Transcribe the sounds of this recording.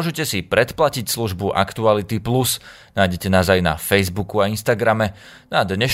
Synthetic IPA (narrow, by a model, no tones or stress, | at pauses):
ɔʒɛcɛsipɾɛt̪placicsluʒbuʔa̰kt̪ualit̪iplus | najɟɛcɛnaːzajna̰fɛjzbukuainst̪aɡɾamɛ | nad̪ɲɛʃ